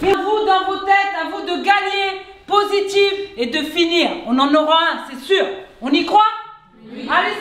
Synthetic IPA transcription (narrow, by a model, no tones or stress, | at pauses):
pɛvud̪ɑ̃vot̪ɛt̪avud̪əɡaɲepozit̪ived̪əfiniːʁɔ̃nɑ̃nɔʁaɛ̃sɛsyːʁɔ̃nikχwa | ale